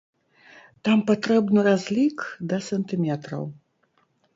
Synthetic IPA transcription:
t̪ampat̪ɾɛbnɨɾazʲlʲikd̪ɐsɛnt̪ɨmʲɛt̪ɾɐ̰w

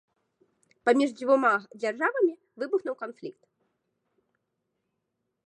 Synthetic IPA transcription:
pamʲiʐd͡zʲvumad͡zʲarʐavɐmʲi | vɨbuxnuwkanflʲik̚t̪

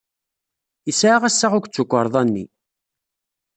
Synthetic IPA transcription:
isʕaʁæsːaʁʊkʷːt͡sːukʷːəɾˤðˤɑnːḭ

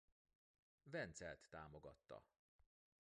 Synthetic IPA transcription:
vɛnt̪sɛlt̪ːaːmoɡɒt̪ːɒ̰

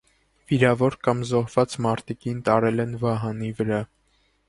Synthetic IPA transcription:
viɾɑvɔɾkɑmzɔɦvɑt͡smɑɾt̪ikint̪ɑɾɛlɛnvɑɦɑnivəɾɑ

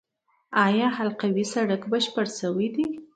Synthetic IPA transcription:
ɑjɑhalqawisaɽakbəʃpəɾsəwid̪i

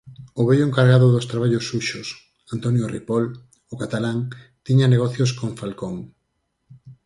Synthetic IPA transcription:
oβɛʎoʊeŋkaɾɣaðʊðost̪ɾaβaʎosːuʃos | ant̪onjorḭpɔl | okat̪alaŋ | t̪iɲaneɣɔθjoskoɱfalkoŋ

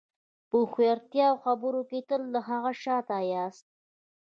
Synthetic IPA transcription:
pəxwjaɾt̪jɑwxabəɾoket̪əlːaɦaɣaʃɑt̪ɑjɑst̪̚

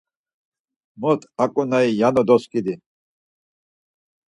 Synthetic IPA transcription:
mɔt̪ʰʼakʼunaijanɔd̪ɔskʼid̪i

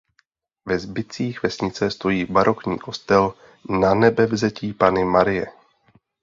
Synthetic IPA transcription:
vɛzbɪt͡siːxvɛsɲɪt͡sɛst̪o̞jiːbaɾʔo̞kɲḭːko̞st̪ɛl | nanɛbɛvzɛciːpanɪmaɾɪjɛ̰

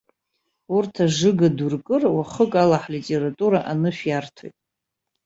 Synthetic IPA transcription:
urtʰaʐɨɡadurkʼɨrwaχəkʼalaħlitʼeratʼuɾaʔanɨʃᶣjartʰo̰jtʼ

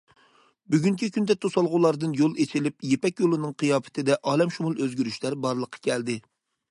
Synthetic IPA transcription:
byɡʲyŋkʲʰikʲynd̪ɛt̪ʰosɑlˠʁʊlˠɑɾd̪ɨnjolˠet͡ʃʰɪlɪp̚jepɛkʲjolˠɨnɨŋqʰɨjɑːpɪ̥t̪ʰɪd̪ɛʔɑːlɛmʃumulˠøzɡʲyɾyʃlæɾbɑɾlˠəqʰːɑ̥kʲʰɛld̪ɪ

